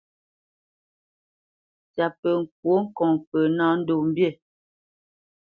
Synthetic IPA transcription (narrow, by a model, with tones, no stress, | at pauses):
t͡ʃa˨pə˨ŋ̩˨k̚wo˦ŋ̩˦kɔ˨ŋpə˨nã˦n̩˦do˨m̩˦bje˦˨